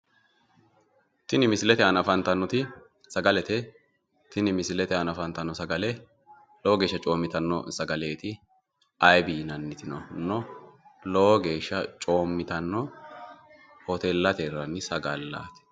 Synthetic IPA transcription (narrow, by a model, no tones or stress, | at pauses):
t̪ɪnɪmɪsɪlɛt̪ɛɐnɐfɐnt̪ɐnːɔt̪ɪ | sɐɡɐlɛt̪ɛ | t̪ɪnɪmɪsɪlɛt̪ɛɐnɐfɐnt̪ɐnːɔsɐɡɐlɛ | lɔwɔɡe̞ːʃːɐt͡ʃʼo̞ːmːɪt̪ɐnːɔ̰sɐɡɐle̞ːt̪ɪ | ɐjbiːnɐnːɪt̪ɪnɔnːɔlɔwɔɡe̞ːʃːɐt͡ʃʼo̞ːmːɪt̪ɐnːɔ | hɔt̪ɛlːɐt̪erːɐnːɪsɐɡɐlːa̰ːt̪ɛ̥